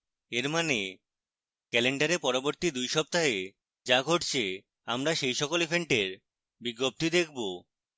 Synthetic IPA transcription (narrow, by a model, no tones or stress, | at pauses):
eɾmane | kɛleɳɖaɾeɾpɔɾoboɾt̪id̪ujʃɔp̚t̪aɦe | d͡ʑaɡʱoʈt͡ɕʰe | amɾaʃejʃɔkolipʰeɳʈeɾ | biɡːop̚t̪id̪ekʰbo